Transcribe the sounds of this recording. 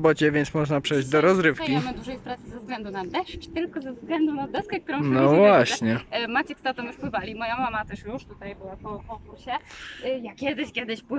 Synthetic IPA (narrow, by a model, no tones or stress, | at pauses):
bɔt͡ɕɛvʲjɛnt̪smɔʐnapʂɛjʑd͡ʑd̪ɔɾɔzɾɘfkkʲimɛd̪uʐɛjspɾat̪sɘzɛvzɡlɛnd̪unad̪ɛʂt͡ʃt̪ɘlkɔzɛvzɡlɛnd̪unad̪ɛskɛk̚t̪uɾɔ̃wnɔvvwaɕɲɛmat͡ɕɛkst̪ɔt̪ɔmjuʂpwɘvalʲimɔjamamat̪ɛʂjuʂt̪ut̪ajbɘwapɔkɔkuɾɕɛjakʲɛd̪ɘɕkʲɛd̪ɘɕpwɘ